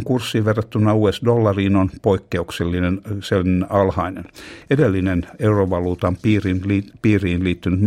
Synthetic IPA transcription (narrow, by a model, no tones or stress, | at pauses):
ŋkursːiːʋʋerːɑt̪ːynːɑuːesdolːɑriːnonpoikːeukselːinenselːnɑlhɑinenedelːineneuroʋɑluːt̪ɑmpiːrinlipiːriːnliːt̪ːynyt̪